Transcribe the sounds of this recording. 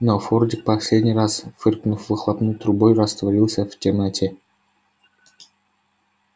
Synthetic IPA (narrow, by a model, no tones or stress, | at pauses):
nofordʲɪk̚pɐsʲlʲed̪ʲnʲijrasfɨrknufvɨxlˠapnujt̪ɾubojrɐst̪vɐɾʲilˠsʲəvt̪ʲematʰʲe